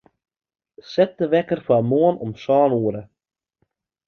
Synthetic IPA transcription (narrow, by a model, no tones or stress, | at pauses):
sɛt̚əʋɛkərfaəmoənɔmsɑːnuəɾə